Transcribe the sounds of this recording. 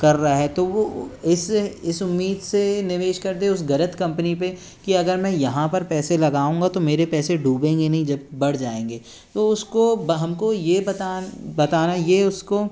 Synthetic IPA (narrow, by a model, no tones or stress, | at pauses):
kɐɾːɐaɦɛt̪oʋoɪsɪsʊmːiːd̪senɪʋeːʃkɐɾd̪eʊsɡɐɾət̪kɐ̃mpənipe | kiɐɡəɾmɛ̃jɐɦãpɐɾpɛːselɐɡaːũːŋɡat̪omeːɾepɛːseɖʱuːbẽːŋɡenɐɦĩd͡ʒɐb̚ːɐɽ̤d͡ʒaːẽːŋɡeː | t̪oʊskobɦɐmkojebɐt̪aːbɐt̪aːnajeʊsko